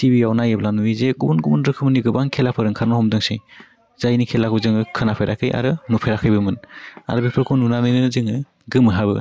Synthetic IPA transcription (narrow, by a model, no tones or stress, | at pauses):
tibiawnajɯblanuizeɡumunɡumunɾɯkʰɯmɯniɡɯbaŋkʰelapʰɯɾɯŋkʰaɾnɔhɔmdɯŋsej | z̥ajnikʰelakʰuzɯŋɯkʰɯnapʰeɾʔakʰɯjʔa̰ɾɯnupʰeɾakʰɯjbɯmɯna̰ɾɯbipʰɯɾkʰununanɯjnɯnɯzɯŋɯ | ɡɯmɯɦabɯ̰